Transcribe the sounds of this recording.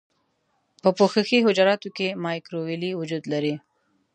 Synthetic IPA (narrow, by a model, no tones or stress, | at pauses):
pəpoxəxiɦʊd͡ʒaɾɑt̪ukemɑjkɾowiliwʊd͡ʒuːd̪laɾi